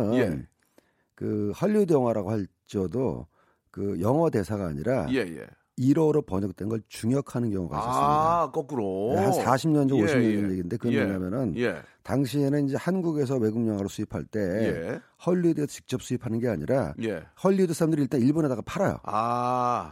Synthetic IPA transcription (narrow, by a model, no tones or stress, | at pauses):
n | kɯhʌʎːjudjʌŋɦwaɾaɡohaɭ | t͡ɕ͈ʌdo̰ | kɯjʌŋʌde̞sʰaɡa̰ːɲiɾʔaejḛ | iɾʌɾopʌɲʌk̚t͈enɡʌɭt͡ɕuŋjʌkʰanɯnkjʌŋuɡa̰is͈ʌskʌkɯɾoehansaɕʰimɲʌnd͡ʑʌnoɕʰimɲʌnd͡ʑʌnje̞ɡinde̞kɯɾʌnboɲamjʌnɯnetaŋɕʰienɯnind͡ʑe̞hanɡuɡe̞s̬ʰʌwe̞ɡuŋɲjʌŋwaɾosʰuipʰa̰ɭt͈e̞ | hʌʎːudesʰʌt͡ɕi̥k̚t͡ɕ͈ʌp̚s͈uipʰanɯnɡe̞aɲḭɾajehʌʎːiudesʰaɾamdɯɾiɭt͈aniɭbonɦe̞daɣapʰaɾajo̰a